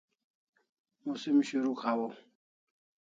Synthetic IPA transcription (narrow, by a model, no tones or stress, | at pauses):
musimʃeɾukʰawɔ